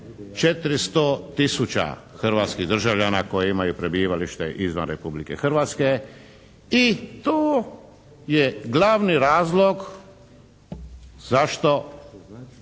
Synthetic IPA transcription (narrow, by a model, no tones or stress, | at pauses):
t͡ʃet̪ɾist̪ot̪isut͡ɕa̰xrɾʋaːt̪skiɣd̪r̩ʒaʋʎanako̞jeimajupɾebiːʋaliʃt̪eʔizʋa̰nɾepublikḛxr̩ʋaːt̪ske | it̪oː | jeɡlaʋniɾaːzlˠoɡ | zaʃt̪o